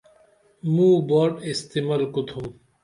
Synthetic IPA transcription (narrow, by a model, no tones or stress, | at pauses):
muːbɔːʈist̪imalkut̪ʰum